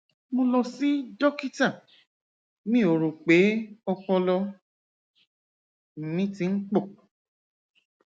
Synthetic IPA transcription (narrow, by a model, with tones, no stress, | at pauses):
mo˧lɔ˧si˨˦dɔ˦ki˦ta˦˨ | nĩ˦˨o˨ɾu˨k͡pe˨˦ɔ˧k͡pɔ˧lɔ˧ | m̩˨mĩ˨˦ti˧˦n̩˦k͡pɔ˦˨